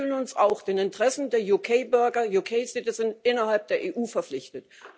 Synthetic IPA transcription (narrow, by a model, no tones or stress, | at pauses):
lənʊnsaʊxd̥eːnɪntəʁ̥ɛsn̩deːɐjukʰeɪbʏɐɡɐjukʰeɪzɪtəzɪntʔɪnɐɦalp̚d̥eːɐʔeːʔuːfɛɐflɪçtət